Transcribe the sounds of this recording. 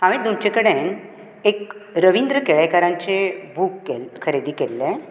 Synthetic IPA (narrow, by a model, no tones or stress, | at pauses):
aʋĩd̪unt͡ɕekəɽẽn | ekɾəʋind̪ɾəkeɭekaɾãɲt͡ɕebʱukːelʰəɾed̪iːkelːɛ̃